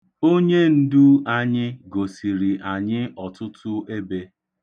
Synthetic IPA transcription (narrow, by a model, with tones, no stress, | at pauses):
o˦ɲe˦n̩˦du˦a˦ɲɪ˦ɡo˨si˨ɾi˨ʔa˨ɲɪ˦ɔ˨tʊ˦tʊ˦e˦be˦